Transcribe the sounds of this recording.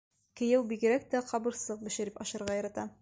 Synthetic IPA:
kɘ̆jæwbiɡɘ̆ɾæk̚t̪æqɒbɤ̆ɾsɤq̚bɘ̆ʃɘ̆ɾipɒʃɤ̆ɾʁɑjɤ̆ɾɑt̪ɑ

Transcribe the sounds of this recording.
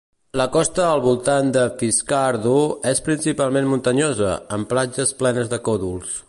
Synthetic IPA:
ləkɔst̪əːlˠβulˠt̪and̪əfiskaɾðuespɾinsipalˠmenmunt̪əɲozə̰əmplad͡ʒəsplɛnəzðəkɔðulˠs

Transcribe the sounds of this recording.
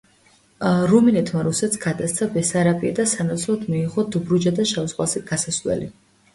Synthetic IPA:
ɾuminɛt̪ʰmaɾusɛt̪sɡ̥ad̪ast̪sʰabɛsaɾapʼiad̪asanat̪sʰlˠɔt̪ʰmiiχɔd̪bɾud͡ʒad̪aʃavsqʼwasiɡ̥asaslwɛ̰li

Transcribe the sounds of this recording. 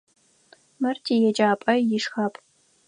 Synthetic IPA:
mɐrtʰiːjɛd͡ʒʼaːpʼɐjɪʂxaːpʼ

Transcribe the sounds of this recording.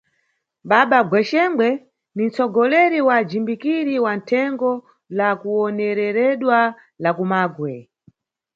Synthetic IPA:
ɓaɓaɡwɛʃɛŋɡwɛ | nin̩t͡sɔɡɔlɛɾiwad͡ʒimbikiɾiwantʰɛŋɡɔ | lakuɔnɛɾɛɾɛɗwa | lakumaːɡwɛ

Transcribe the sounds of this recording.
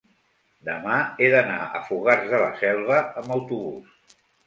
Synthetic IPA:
d̪əmaeðəna̰ʔə̰fuɣarzðələsɛlˠβəəmbəwt̪uβus

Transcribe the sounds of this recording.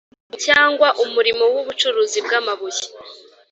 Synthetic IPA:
caːŋɡwaʔumuɾimo̞wuβut͡ʃuɾuzibɡaːmaβuji̥

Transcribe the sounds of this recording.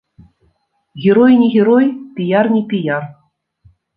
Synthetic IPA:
ɣʲeɾojnʲiɣʲeɾojpʲijarnʲipʲijar

